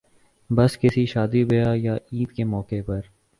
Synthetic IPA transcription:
bɐskɪsiʃaːd̪ibejajaiːd̪kemɔːkepɐɾ

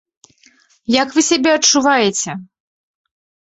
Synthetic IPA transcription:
jɐkvɨsʲabʲɛɐt͡ʂuvajɛt͡sʲɛ

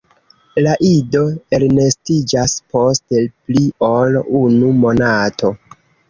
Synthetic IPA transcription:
laʔido̞elne̞stid͡ʒaspo̞stelplio̞lunumo̞natʰo̞

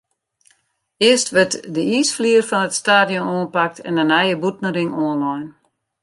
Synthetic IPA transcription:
ɪəstʋɛtdəiːsfliərfɔnətstaːdjonoːnpak̚tʰɛ̰ndənajəbutnəɾɪŋoːnlɔjn

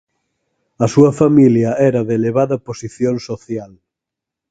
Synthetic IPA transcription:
ɐsuɐfamiljɐɛɾɐðeleβ̞aðɐposiθjonsoθjal

